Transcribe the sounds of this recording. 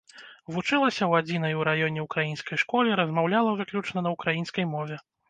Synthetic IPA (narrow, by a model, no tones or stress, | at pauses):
vut͡ʂɨlˠɐsʲɐwad͡zʲinɐjuɾajɔnʲɛukɾajinskɐjʂkɔlʲiɾɐzmawlʲalˠɐvɨklʲut͡ʂnɐnɐukɾajinskɐjmɔvʲɛ